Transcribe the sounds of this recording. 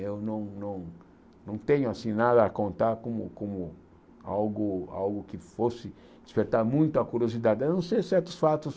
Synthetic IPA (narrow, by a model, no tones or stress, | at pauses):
ewnɐ̃w̃nɐ̃w̃ | nɐ̃w̃t̪ẽɲʊasĩnad̪ɐːkõnt̪aɾkõmʊ̰kõmʊ | awɡʊa̰wɡʊkɪfosɪ | d̪ɪspeɾt̪aɾmũj̃t̪ʊɐkuɾiozid̪ad̪ɪenɐ̃w̃sejsɛɾt̪ʊ̥sfat̪ʊs